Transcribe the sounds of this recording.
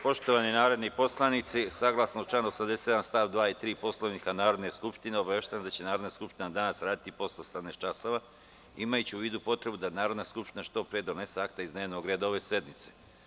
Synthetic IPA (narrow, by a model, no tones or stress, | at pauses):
po̞ʃt̪o̞ʋaninaːɾo̞d̪nipo̞slˠanit̪sisaɡlˠasnot͡ʃaːnosamd̪ese̥t̪anst̪aːʋd̪ʋaːit̪ɾiːpo̞slˠoʋnikanaːɾo̞d̪ne̞skupʃt̪ineobaʋeʃt̪eand̪at͡ɕe̞naːɾo̞d̪naskupʃt̪inad̪anasɾaːd̪it̪ipo̞sosad̪net͡ʃaso̞ʋa | imajut͡ɕeuʋiːd̪upo̞t̪ɾe̞bud̪anaːɾod̪naskupʃt̪inaʃt̪o̞pɾejed̪o̞ne̞seakt̪aizd̪neːʋnoɡɾed̪oʋeːse̞d̪mit̪se